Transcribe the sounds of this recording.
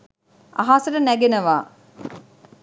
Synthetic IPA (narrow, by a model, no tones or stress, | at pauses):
a̰ɦaːsəʈənæɡenəʋaː